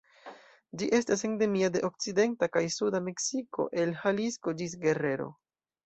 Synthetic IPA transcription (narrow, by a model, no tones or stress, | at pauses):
d͡ʒiʔe̞stas̬eŋde̞miade̞ʔo̞k̚t͡side̞ntakajsudame̞ksiko̞̰ʔe̞lhalisko̞d͡ʒis̬ɡe̞re̞ɾo̞̰